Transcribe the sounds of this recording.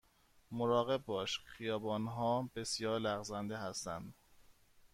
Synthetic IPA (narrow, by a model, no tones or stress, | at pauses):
moɾɒːɣe̞bːɒːʃxijɒːbɒːnɦɒːbe̞sjɒːɾlæɣzænd̪eɦæst̪æ̰nd̪̥